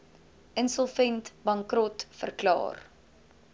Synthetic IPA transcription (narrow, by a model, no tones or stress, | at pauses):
ənsɔlˠfɛntbɐŋkrɔtfə̰rklɑ̰ːr